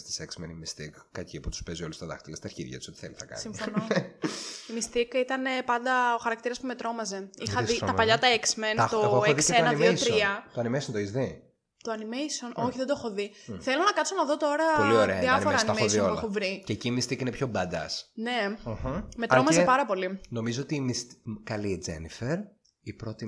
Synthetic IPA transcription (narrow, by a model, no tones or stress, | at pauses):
st̪i̥seksmenimist̪ḭkːɐciput̪u̥speziolust̪ɐðɐ̰xt̪ilɐst̪ɐɾçḭðʝɐ̰uso̞t̪iθelisθɐkɐ̰nsimfon | imist̪ikit̪ɐne̞pɐnd̪ɐoxɐɾɐk̚t̪iɾɐspume̞t̪ɾo̞mɐze̞ixɐðitɐpɐʎɐt̪ɐeksment̪oeðisenɐmost̪ɾiɐoɐnimesont̪oizði | t̪oɐnimejso̞nʔo̞çiðed̪oexoðiθe̞lonɐkɐt̪sonɐðo̞t̪o̞ɾɐolioɾeɐðiɐnioɾɐɐnimeossðioleɐovɾiceːciːmist̪ikinepço̞bɐd̪ɐ̰sne̞ | met̪ɾo̞mɐzepɐɾɐpo̞lino̞mizoot̪iːmist̪kɐlied͡zḛnifeɾ | ipɾot̪i